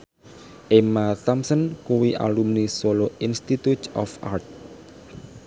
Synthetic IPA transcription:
ʔemat̪amsənkuwiʔa̰lumnisoloinst̪it̪ut̪ɔ̰fa̰rt̪̚

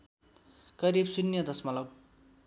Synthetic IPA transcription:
ɡ̥ʌɾibsunːjʌd̪ʌsmʌlʌb̚

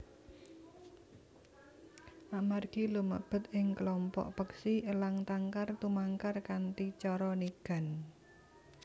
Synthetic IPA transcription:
ʔamarɡ̥ilumə̰b̥ə̤t̪ɪŋklɔmpɔ̰ʔpəksiʔəlaŋt̪aŋkart̪umaŋkarkant̪it͡ʃɔɾɔniɡ̥a̤n

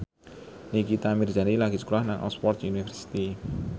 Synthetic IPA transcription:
nikit̪amird͡ʒanilaɡisə̥kulahnaŋʔɔ̰spɔrt̪unifərsi̥t̪i

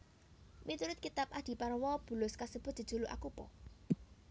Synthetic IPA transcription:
mʔit̪uɾʊt̪̚kit̪apʔad̪̥i̤paɾwɔb̥ṳlʊskasəb̥ʊ̤t̪̚d̥̪i̤dʒ̥ṳluʔa̰kupɔ̰

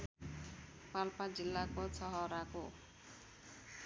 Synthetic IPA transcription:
palpad͡zilːakot͡sʌɦʌɾako

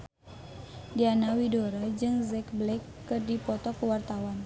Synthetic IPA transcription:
dianawidoɾad͡ʒɨŋzɛkblɛkːɨrdipɔt̪ɔkəwart̪awan

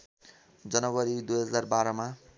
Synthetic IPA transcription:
d͡zʌnʌɡʌɾid̪ujɦʌd͡zarbaɾɔma

